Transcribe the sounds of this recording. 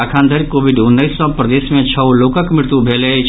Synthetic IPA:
aːkʰãːnd̪ʱəɾkoːʋɪɖʊnːəisːɔ̃pɾəd̪eːsmẽt͡ʃʰɐloːkəkmɪɽt̪ubʱeːle

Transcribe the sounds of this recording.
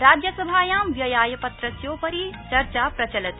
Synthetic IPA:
ɾaːd͡ʒjɐsɐbʱaːjaːmʋjɐjaːjɐpɐt̪ɾɐsjoːpɐɾit͡ʃɐɾt͡ʃaːpɾɐt͡ʃɐlɐt̪

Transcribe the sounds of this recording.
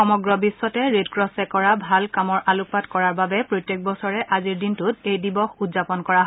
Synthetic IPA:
ɔmɔɡɹɔbiswɔtɛɹedkɹɔsɛkɔɹabʱalkamɔɹʔalʊk̚patkɔɹaɹbabɛpɹojtːek̚bɔsɔɹɛʔaziɹdintʊtejdibɔxudzapɔnkɔɹaɦ

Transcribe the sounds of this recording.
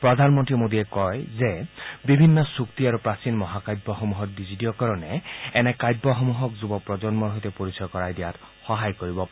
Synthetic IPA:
pɹɔd̪ʱanmɔntɹimod̪iɛkɔjzebibʱinːɔsukt̪iaɹupɹasinmɔɦakajd̚bɔxomuɦɔt̚dizitiɔkaɹɔnɛɛnɛkajd̚bɔxomuɦɔkzubɔpɹɔzɔnmɔɹɦojt̪ɛpoɹisɔjɔkɔɹajd̪ijat | xɔɦajkoɹibɔp

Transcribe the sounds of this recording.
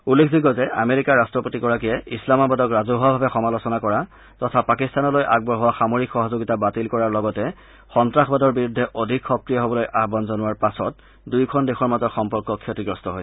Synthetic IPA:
ulːekʰziɡɔzɛʔa̰meɹikaɹastɹɔpotiɡɔɹakijɛislamabadɔkɹazuɦwabʱabɛxɔmalosɔnakɔɹa | tɔtʰapakistanɔlojʔaɡ̚bɔɦɔwaxamoɹikxɔɦɔzoɡitabatilkɔɹaɹlɔɡɔtɛ | xɔntɹaxbadɔɹbiɹudʱːɛʔodʱikxɔkɹijaɦobɔlojʔabɔnzɔnʊaɹpasɔt | dujkʰɔndexɔɹmazɔxɔmpɔɹkːɔkʰːetiɡɹɔstɔɦoj

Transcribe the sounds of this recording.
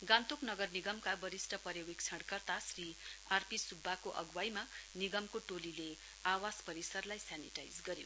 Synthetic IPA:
ɡãnt̪oknʌɡʌrniɡʌmkabʌɾisʈʌpʌɾjewek̚t͡sʰʌɽkʌrt̪asriarpisubʱːakoʔʌ̰ɡwajmaniɡʌmkoʈolile | awaspʌɾisʌrlajsjanḭʈajd͡zɡʌɾjo̰

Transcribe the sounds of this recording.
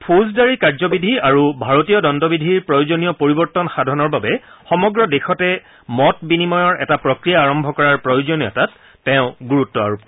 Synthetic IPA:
pʰuzdaɹikaɹzɔbidʱiaɹubʱaɹotijɔdɔndɔbidʱiɹpɹɔjod͡ʒonijɔpoɹibɔɹtɔnxadʱɔnɔɹbabɛxɔmɔɡɹɔdexɔtɛ | mɔtbinimɔjɔɹʔɛtapɹɔkɹijaːɹɔmbʱɔkɔɹaɹpɹɔjod͡ʒɔnijɔ̰tatː | ɛʊ̃ɡuɹutːɔa̰ɹup

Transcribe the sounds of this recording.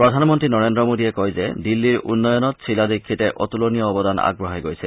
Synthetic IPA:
pɾɔd̪ʱanmɔnt̪ɾinɔɾend̪ɾɔmod̪iekɔɦjzḛd̪ilːiɾunːɔjɔnɔt̪̚sʰilad̪ikʰːit̪eʔɔt̪ulonijɔːbɔd̪ana̰ɡ̚bɾɔɦejɡojsʰe

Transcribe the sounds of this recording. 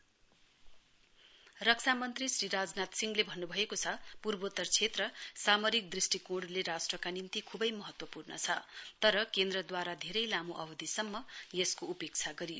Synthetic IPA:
rʌk̚t͡sʰamʌnt̪risriɾad͡znat̪siŋɡlebʱʌnːubʱʌekot͡sʰʌpurbot̪ʌrt͡sʰet̪rʌsamʌɾik̚d̪risʈikoɽleɾasʈrʌkanint̪ikʰubʌjmʌɦʌt̪wʌpurnʌ̰t͡sʰʌt̪ʌɾʌkend̪rʌd̪waɾad̪ʱeɾʌjlamuʔʌbʌd̪ʱisʌmːʌjeskoupek̚t͡sʰaɡʌɾijo

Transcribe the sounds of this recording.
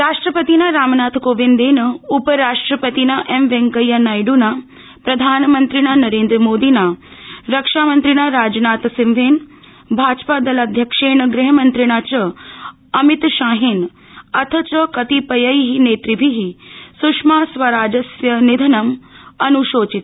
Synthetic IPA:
ɾaːʂʈɾəpət̪inaɾaːmnaːt̪ʰkoːʋind̪eːnəupəɾaːʂʈɾəpət̪inaʔemʋẽŋkəjɐnajɖuna | pɾɐd̪ʱaːnmənt̪ɾinanɐɾẽːnd̪ɾəmoːd̪inaɾɐkʂaːmɐnt̪ɾinaɾaːd͡ʒnaːt̪sɪmʋeːn | bʱaːd͡ʒpad̪ɐlad̪ʱjɐkʂeːnəɡɾiɦəmɐnt̪ɾiɽ̃at͡ʃə | ɐmit̪ʃaːɦeːn | ɐt̪ʰət͡ʃəkɐt̪ipɐjəjɦineːt̪ɾibʱiɦisukʂmaːsʋɐɾaːd͡ʒɐsjənid̪ʱɐnɐmɐnuʃoːt͡ʃit̪

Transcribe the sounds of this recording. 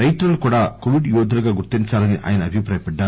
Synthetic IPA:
ɐjt̪ɐɾɐlukuːɽaːkoʋiɖjɔːd̪ʱɐluɡaːɡuɾt̪iɲt͡ʃaːlɐniʔa̰ːjɐnɐɐbʱipɾaːjɐpɛɖːaːɾ

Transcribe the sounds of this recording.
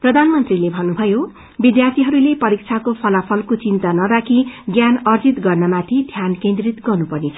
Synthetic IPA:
prʌd̪ʱanmʌnt̪rilebʱʌnːubʱʌjo | bid̪jart̪ʰiɦʌɾulepʌɾik̚t͡sʰakopʰʌlapʰʌlkot͡sint̪anʌɾakʰiɡjanʌrd͡zit̪ɡʌrnʌmat̪ʰid̪ʱjankend̪rit̪ɡʌrnupʌrnet͡sʰʌ

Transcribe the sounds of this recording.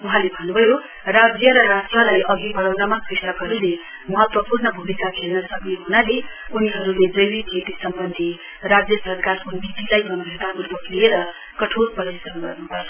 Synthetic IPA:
uɦãlebʱʌnːubʱʌjo | rad͡zjʌɾʌɾasʈrʌlajʔʌɡibʌɽʌwnʌmakristʌkɦʌɾule | mʌɦʌt̪wʌpurnʌbʱumikakʰelnʌsʌkneɦunale | uniɦʌɾuled͡zʌjbikʰet̪isʌmbʌnd̪ʱi | rad͡zjʌsʌrkarkobit̪ilajbʱʌnbʱet̪aʔurbʌklieɾʌ | kʌʈʰoɾpʌɾisʌnɡʌ̰rnubʱʌ

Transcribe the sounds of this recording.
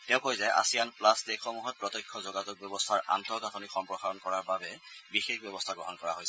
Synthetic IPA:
tɛʊ̃kojzajʔa̰sijanplastekxʰɔmuɦɔt̚pɹɔtɔjkʰːɔzoɡazuk̚bjɔbɔstʰaɹʔa̰ntʰɔɡatʰɔnikxɔmpɹɔxaɹɔnkɔɹaɹbabɛbixexbɔbɔstʰaɡɹɔɦɔnkɔɹaɦojsɛ

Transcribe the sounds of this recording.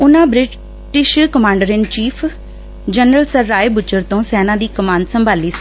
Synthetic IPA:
ʊnãːbɾɪ | ʈɪʃkəmãːɳɖəɾɪnt͡ʃiːpʰ | d͡ʒənɾəlsəɾːaːeːbʊt͡ʃːəɾt̪õːsɛːnãːd̪iːkəmaːnd̪səmbʱaːliːs

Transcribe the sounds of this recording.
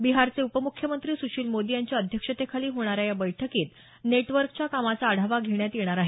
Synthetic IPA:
biɦaɾt͡seupəmukʰːjəmənt̪ɾiːsuɕiːlmod̪ijaɲt͡ɕjaəd̪ʱjəkʂət̪ekʰaliːɦoɽ̃aɾjajabəjʈʰəkiːt̪ | neʈʋəɾkt͡ɕjakamat͡saːɽ̤ʱaʋaɡʱeɳjat̪jeɽ̃aɾaɦe

